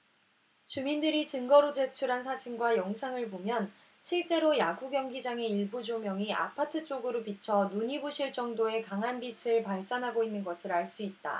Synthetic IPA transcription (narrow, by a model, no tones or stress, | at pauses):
t͡ɕumindɯɾit͡ɕɯŋɡʌɾod͡ʑe̞t͡ɕʰuɾɦansʰad͡ʑinɡwajʌŋsʰaŋɯɭbomjʌn | ɕʰiɭt͡ɕ͈e̞ɾojaɡuɡjʌŋɡid͡ʑaŋe̞iɭbud͡ʑomjʌŋiʔa̰pʰatʰɯt͡ɕ͈oɡɯɾopit͡ɕʰʌnuɲibuɕʰiɭt͡ɕ͈ʌŋdoe̞kaŋɦanbisʰɯɭpaɭs͈anɦaɡoinːɯnɡʌsʰɯɾaɭs͈uit̚t͈a̰